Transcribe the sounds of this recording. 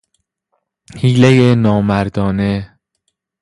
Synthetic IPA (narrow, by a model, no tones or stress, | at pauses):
hiːlejenɒːmæɾd̪ɒːne